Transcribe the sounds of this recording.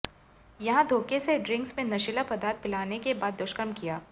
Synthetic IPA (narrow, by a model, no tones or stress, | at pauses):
jɐɦãd̪ʱoːkeseɖɾɪ̃ŋksmẽnɐʃɪlapɐd̪aːɾt̪̚pɪlaːnekebaːd̪ːʊʃkəɾmkijaː